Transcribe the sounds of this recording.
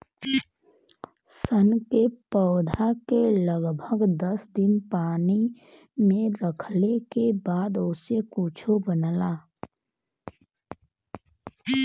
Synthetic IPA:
sənkepəːd̪ʱakeləɡbʱəɡd̪əsd̪ɪnpaːni | mẽɾəkʰlekebaːd̪osekʊt͡ʃʰobənlaː

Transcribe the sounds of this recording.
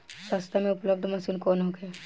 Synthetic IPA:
sast̪ʰamẽʊpləb̚d̪ʱmɐsilkoːnɦoɡɛ

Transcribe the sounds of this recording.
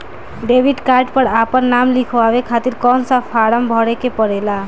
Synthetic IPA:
ɖebʱiɖkaɾʈpəɾapənːamlikʰʋabekʰat̪iɾkɔnsãpʰaɾəmbʱɔɽekepəɽela

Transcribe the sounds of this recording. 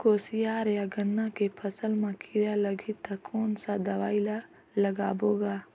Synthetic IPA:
koːsijaːɾjaɡənːakepʰəsəlmãkɪɾjaləɡʱit̪akoːnsad̪ɐʋaːɪla | ləɡaːboːɡaː

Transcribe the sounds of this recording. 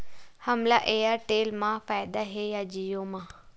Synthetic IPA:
həmlaʔejaʈeːlmãfaːjd̪aɦejad͡ʒijomã

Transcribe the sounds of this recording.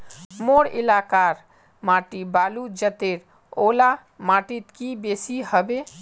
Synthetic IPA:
moɾḭlakaɾ | maʈibalud͡ʒət̪eɾ | ola | maʈit̪kibesihəbe

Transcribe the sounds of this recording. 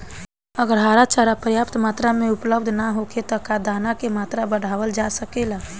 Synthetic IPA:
əɡəɾɦaɾat͡ʃaɾapɾjapt̪mat̪ɾameupləb̚d̪ʱnaɦoket̪ɔkad̪anakemat̪ɾabəɽ̤ʱaʋəld͡ʒasəkela

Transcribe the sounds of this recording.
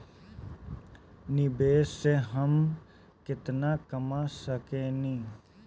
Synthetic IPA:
nɪbeːsːeɦəm | kɪt̪nakəmasəkẽnĩː

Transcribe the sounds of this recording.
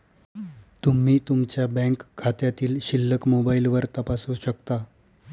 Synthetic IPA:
t̪um̤iːt̪umt͡ɕjabɛ̃kkʰːat̪jat̪iːlɕilːəkmobailʋəɾt̪əpasuːɕəkt̪a

